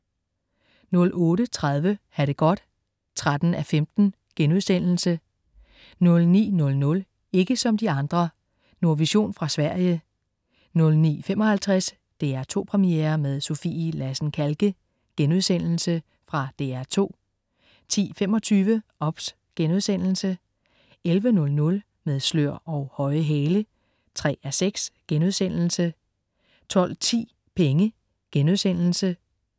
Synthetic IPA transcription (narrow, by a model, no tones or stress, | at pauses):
nɔ̽lʔɔ̽ːɾət͡sʰʁað̞ˠʋəhæd̥əɡ̥ɒ̽d̥ | t͡sʰʁad̥n̩æfemd̥n̩ | ɡ̥enuðˠsen̰l̩sə | nɔ̽lnḭːnɔ̽lnɔ̽l | e̝ɡ̥əsɒ̽md̥iɑ̈nd̥ʁɐ | noɐʋiɕo̝̰ːnfʁɑ̈sʋæɐ̰jə | nɔ̽lnḭːfem̰ɒ̽hælt͡sʰʁas | d̥e̝̰ːæɐt͡sʰo̝̰ːpʰʁɛmiḛːɐmeð̞ˠso̝filæsn̩kʰælɡ̥ə | ɡ̥enuðˠsen̰l̩sə | fʁɑ̈d̥e̝̰ːæɐt͡sʰo̝̰ː | t͡sʰḭːfem̰ɒ̽t͡sʰyːʋəʔɒ̽b̥s | ɡ̥enuðˠsen̰l̩sə | elʋənɔ̽lnɔ̽l | með̞ˠsløɐ̰ɒʊhɒ̽ɪəɦɛːlə | t͡sʰʁɛ̰ːæseɡ̥sɡ̥enuð̞ˠsen̰l̩sə | t͡sʰɒ̽l̰t͡sʰḭː | pʰeŋə | ɡ̥enuðˠsen̰l̩sə